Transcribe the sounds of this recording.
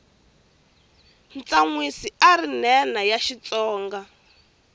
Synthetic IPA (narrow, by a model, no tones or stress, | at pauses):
nt͡saŋwisiaɾinɛnajaʃit͡sɔːŋɡa